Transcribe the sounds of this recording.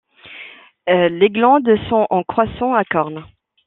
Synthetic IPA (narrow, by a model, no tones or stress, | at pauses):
leɡlɑ̃d̪sɔ̃ɑ̃kχwasɔ̃akɔʁn